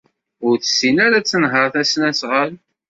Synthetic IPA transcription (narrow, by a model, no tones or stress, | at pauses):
ʊɾθə̥sːinæɾæt͡sːənɦəɾˤθæsnæsʁəl